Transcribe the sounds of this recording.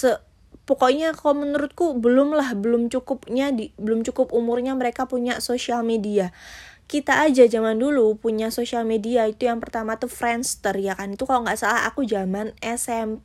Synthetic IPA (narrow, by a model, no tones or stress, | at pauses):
sə | pɔkoʔɲakaomənuɾʊt̪̚kubəlʊmlahbəlʊmt͡ʃukʊp̚ɲadibəlʊmt͡ʃukʊpumʊrɲaməɾekapuɲasosialmediakit̪aːd͡ʒad͡ʒamandulupuɲasosialmediait̪ujaŋpərt̪amat̪ufɾɛnst̪ərjakanit̪ukaloʔŋɡaʔsalaɦa̰kud͡ʒamanɛsɛm